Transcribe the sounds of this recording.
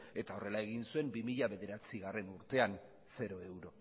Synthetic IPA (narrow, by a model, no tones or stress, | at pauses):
e̞t̪ao̞re̞laeɣ̞insue̞mbimiʎaβe̞ðe̞ɾat͡siɣare̞nuɾt̪e̞an | se̞ɾo̞e̞wɾo̞